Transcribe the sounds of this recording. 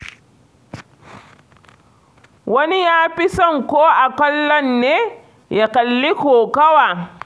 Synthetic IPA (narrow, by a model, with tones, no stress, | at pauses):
wɐ˦ni˦jaː˦pi˦sɔ˦ŋkoː˦ʔa˨kɔ˦lːɔ˦nːeː˦ | ja˨kɐ˨lːi˦koː˨ka˦wa˨